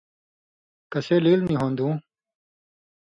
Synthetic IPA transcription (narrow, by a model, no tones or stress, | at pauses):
kɐseːliːlniɦõːnd̪ũː